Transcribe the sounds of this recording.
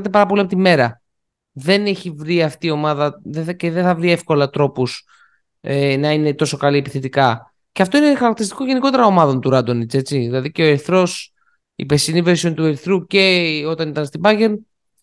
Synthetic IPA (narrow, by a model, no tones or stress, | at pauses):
t̪e̞pɐɾɐpoliɐpot̪ime̞ɾɐ | ðe̞neçivɾiɐft̪iːo̞mɐðɐðeceðeθɐvɾie̞fko̞lɐt̪ɾo̞pus | enɐine̞t̪o̞so̞kɐliepiθet̪ikɐ | ceɐft̪o̞inexɐɾɐkt̪iɾist̪i̥ko̞ʝe̞niko̞t̪e̞ɾɐo̞mɐðo̞nt̪uɾɐd̪o̞nit͡se̞t͡siðilɐðiceo̞eɾθɾo̞s | ḭpe̞siniveɾsio̞nt̪ueɾθɾuce̞o̞t̪ɐnit̪ɐnst̪ibɐʝe̞n